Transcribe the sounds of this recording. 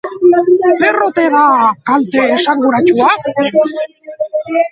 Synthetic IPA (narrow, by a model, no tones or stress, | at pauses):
se̞ro̞t̪e̞ðakalt̪e̞ːsaŋɡuɾat͡ʃua